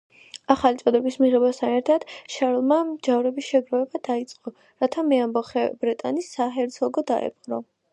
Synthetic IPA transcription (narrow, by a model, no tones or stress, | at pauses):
aχalit̪sʼɔd̪ɛbismiʁɛbast̪ʰanɛɾt̪ʰad̪̥ʃaɾlˠmamd͡ʒavɾɛbisʃɛɡɾɔɛbad̪̥ait̪sʼqʼɔ | ɾat̪ʰamɛambɔχɛbɾɛt̪ʼanisːaɦɛɾt̪sʰɔɡɔd̪a̰ɛ̰pqɾɔ